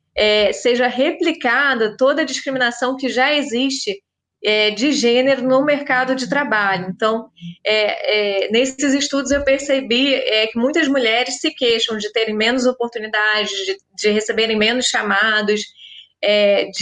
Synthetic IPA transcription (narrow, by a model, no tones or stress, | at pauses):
ɛseʒɐɦeplikad̪ɐt̪od̪ɐd͡ʒiskɾimĩnasɐ̃w̃kɪʒaeziʃt͡ʃɪ | ɛd͡ʒɪʒẽneɾʊnʊmeɾkad̪ʊd͡ʒɪt̪ɾabaʎʊẽnt̪ɐ̃w̃ɛɛnesɪzɪʃt̪ud̪ʊzewpeɾsebiɛkɪmũj̃t̪ɐzmuʎɛɾɪssɪkeʃɐ̃w̃d͡ʒɪt̪eɾẽj̃mẽnʊzopoɾt̪unid̪ad͡ʒɪzd͡ʒɪ | d͡ʒɪɦesebeɾẽj̃mẽnʊsʃamad̪ʊsɛd͡ʒ